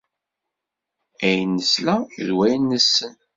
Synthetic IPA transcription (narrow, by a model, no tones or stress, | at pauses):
æjnəslæðwæjnːəsːən